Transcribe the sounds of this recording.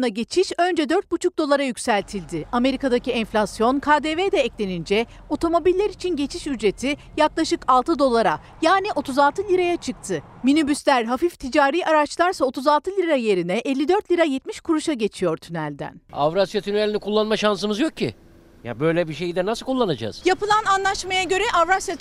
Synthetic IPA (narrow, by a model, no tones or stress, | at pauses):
naɟe̞t͡ʃʰiʃø̞nd͡ʒɛd̪ø̞ɾt̪̚but͡ʃʰuk̚d̪o̞lˠaɾajycʲsælʲt̪ʰilʲd̪ɪame̞ɾikad̪aciɛnflʲasjo̞nkʰaːd̪eːved̪ɛɛclʲe̞nind͡ʒɛ | o̞t̪ʰo̞mo̞bilʲːeɾit͡ʃʰinɟe̞t͡ʃʰiʃyd͡ʒɾe̞t̪ʰi | jaklˠaʃɯkalˠt̪ʰɯd̪o̞lˠaɾa | jaːniʔo̞t̪uzalˠt̪ʰɯlʲiɾajat͡ʃʰɯk̚t̪ʰɯ | minybyslʲæɾɦafift̪ʰid͡ʒaːɾiːaɾat͡ʃlˠaɾsao̞t̪ʰuzalˠt̪ɯlʲiɾaje̞ɾinɛʔɛlʲːid̪ø̞ɾt̪lʲiɾajɛt̪miʃkʰuɾuʃaɟe̞t͡ʃʰijo̞ɾt̪ʰynælʲd̪æ̰na̰vɾasjat̪ʰynɛlʲinikʰulˠːanmaʃansɯmɯzjo̞k̚ʰːḭ | ja̰bø̞jlʲɛbiʃejid̪ɛnasɯlˠkʰulˠːanad͡ʒa̰ːz̥japɯlˠananlˠaʃmajaɟø̞ɾɛʔavɾasja